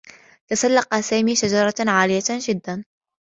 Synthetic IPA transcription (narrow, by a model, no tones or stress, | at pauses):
t̪asalːɑqɑsaːmiːʃad͡ʒɑɾˤɑʕaːlɪjaʒɪd̪ːan